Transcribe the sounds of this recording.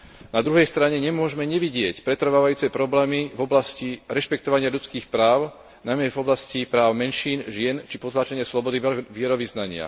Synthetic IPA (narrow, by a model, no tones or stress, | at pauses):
nad̪ɾuɦɛjst̪ɾaɲɛɲɛmʊɔʒmɛɲɛʋiɟɪɛcpɾɛt̪r̩ʋaːʋajuːt͡sɛpɾɔblɛːmivɔblasciɾɛʃpɛkt̪ɔʋaɲɪaʎut͡skiːxpɾaːʊ | najmɛvɔblascipɾaːʊmɛnʃiːnʒɪɛnt͡ʃipɔt̪laːt͡ʃɛɲɪaslɔbɔd̪iʋɪɛɾɔʋiznaɲɪa̰